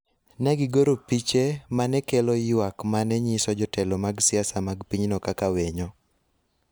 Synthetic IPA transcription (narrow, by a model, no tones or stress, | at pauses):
nɛɡɪɡoɾopit͡ʃemanɛkelɔjwakmanɛɲɪsɔd͡ʒɔtɛlɔmaɡsɪasamaɡpiɲnɔkakaweɲɔ